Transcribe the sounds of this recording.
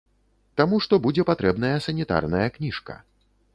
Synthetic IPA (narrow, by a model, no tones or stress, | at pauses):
t̪amuʂt̪ɔbud͡zʲɛpat̪ɾɛbnɐjɐsɐnʲit̪a̰rnɐjɐknʲiʂkɐ̰